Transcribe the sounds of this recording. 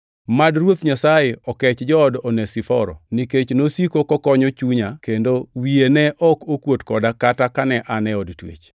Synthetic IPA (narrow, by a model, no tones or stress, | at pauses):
madrwot̪ɲasajeɔkɛt͡ʃd͡ʒɔdɔnɛsifɔɾɔ̰niket͡ʃnosikokɔkɔɲɔt͡ʃuɲakendowienɛʔɔkokwotkɔdakatakanɛʔanɛɔdtwḛt͡ʃ